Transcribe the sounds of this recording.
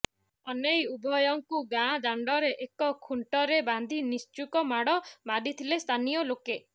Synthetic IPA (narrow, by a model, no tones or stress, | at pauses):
ɔnejubʱɔjɔŋkuɡãd̪aɳɖɔɾeʔekɔkʰuɳʈɔɾeband̪ʱinist͡ʃukɔmaɽɔmaɖit̪ʰilest̪ʰanijɔloke